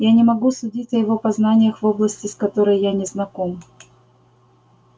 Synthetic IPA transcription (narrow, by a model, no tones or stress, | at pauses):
janʲɪmɐɡusʊdʲitʲɐjɪvo̞pɐznanʲɪjəxvo̞blˠəsʲtʲɪskɐt̪oɾəjːanʲɪznɐko̞m